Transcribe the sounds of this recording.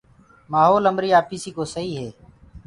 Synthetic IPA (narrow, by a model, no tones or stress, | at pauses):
maːɦoːləmbɾiːaːpiːsiːkoːsəiːɦeː